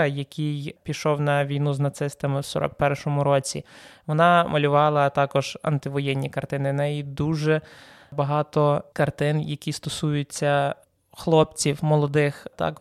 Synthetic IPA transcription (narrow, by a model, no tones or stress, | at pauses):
ɐjɐkʲʰijpʲiʃɔwnɐʋʲijnuznɐt̪sɪst̪ɐmɪwsɔ̰ɾɔ̰k̚pɛrʃɔmʊɾɔt͡sʲḭʋɔnɑmʔɐlʲʊʋɑlˠɐt̪ɑkɔʒ̥ɐ̰nt̪ɪʋɔjɛnʲːikɐrt̪ɪnɪnɛjid̪uʒɛ | bɐɦɑt̪ɔkɐrt̪ɪnjɐkʲist̪ɔsujʊt͡sʲːɐ | xlˠɔpt͡sʲiwmɔlˠɔd̪ɪxt̪ɑ̰k